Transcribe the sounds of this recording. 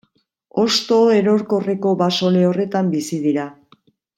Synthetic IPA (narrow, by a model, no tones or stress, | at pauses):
o̞st̪o̞e̞ɾo̞ɾko̞re̞ko̞βaso̞le̞o̞re̞t̪ambisiðiɾa